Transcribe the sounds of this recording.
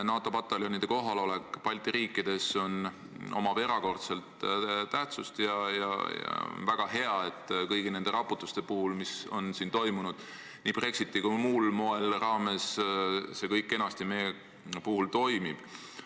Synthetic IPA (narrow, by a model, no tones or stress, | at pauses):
nɑːt̪ːˑo̞pɑt̪ːˑɑljonid̪̥e̞ko̞ɦɑlo̞le̞kˑpɑlʲt̪iɾiːkːˑid̪̥e̞so̞n | o̞̰mɑve̞ɾɑko̞rt̪se̞lt̪t̪æht̪sust̪jɑjɑ̰jɑ̰o̰nvæɡ̥ɑɦe̞ɑe̞t̪ːˑkɤjɡ̥ine̞nd̪e̞ɾɑpːˑut̪ːˑust̪e̞puhulmiso̞̰nsint̪o̞jmunud̪̥ | niːb̥re̞ksit̪ːˑikumulmo̞e̞lrɑːme̞sse̞kɤjkːˑe̞nɑst̪ime | puhult̪o̞jmib̥